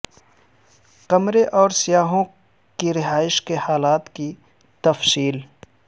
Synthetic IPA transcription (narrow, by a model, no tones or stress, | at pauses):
qɐmɾeʔɔːɾsɪjaːɦõ | kiɾɪɦaːɪʃkehaːlaːt̪ki | t̪ɐfsiːl